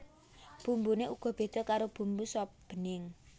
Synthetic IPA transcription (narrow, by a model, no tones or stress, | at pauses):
b̥umbuneʔuɡ̥ɔ̤b̥e̤d̪̥ɔ̤kaɾob̥ṳmbusɔp̚b̥ə̤nɪŋ